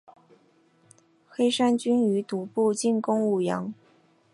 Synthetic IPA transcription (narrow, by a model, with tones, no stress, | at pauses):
xe˥ɪʂa˥nt͡ɕy˥ny˧˥t̪u˧˥pu˥˧t͡ɕi˥˩nkʊ˥ŋu˥˩jɑ̰˧˥ŋ